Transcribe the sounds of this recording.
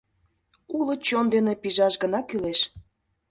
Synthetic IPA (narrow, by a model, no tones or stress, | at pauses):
ulə̆t͡ɕond̪enepiʒɑʃɡə̆nɑkyleʃ